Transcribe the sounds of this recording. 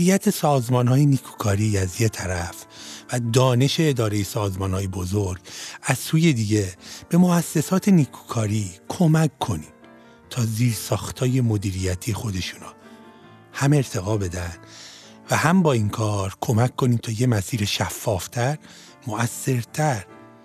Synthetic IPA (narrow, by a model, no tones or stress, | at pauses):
ijæt̪ʰe̞sɒːzmɒːnhɒːjeniːkʰu̥ːkʰɒːɾiːæzje̞t̪ʰæɾæfvæd̪ɒːne̞ʃe̞ːd̪ɒːɾe̞jesɒːzmɒːnhɒːjebo̞zoɾɡæz̥suːje̞d̪iːɟe̞b̥e̞mo̞æsːe̞sɒːt̪ʰe̞niːkʰu̥ːkʰɒːɾiːkʰo̞mækːʰo̞niːm | t̪ʰɒːziːɾsɒːxt̪ʰɒːje̞mo̞d̪iːɾijæt̪ʰije̞xo̞d̪e̞ʃuːnɒ | hæme̞ɾt̪ʰe̞ɣɒːbe̞d̪æn | væhæmbɒːiŋkʰɒːɾkʰo̞mækːo̞niːmt̪ʰɒːje̞mæsiːɾeʃæfːɒːft̪ʰæɾ | mo̞ʔæsːe̞ɾt̪ʰæɾ